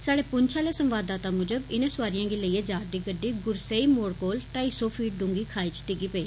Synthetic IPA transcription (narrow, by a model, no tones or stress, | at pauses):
saːɽeːpʊɲt͡ʃʰãːleːsəmʋaːd̪ːaːt̪aːmʊd͡ʒəbɪnẽːsʊʋaːɾɪjãːɡiːləiːeːd͡ʒaːɾd̪iːɡəɖːiːɡʊɾseːiːmoːɽkoːlʈaːisɔːfʰiːʈ̚ɖʊ̃ŋɡiːkʰaːiːt͡ʃʈɪɡiːpəeː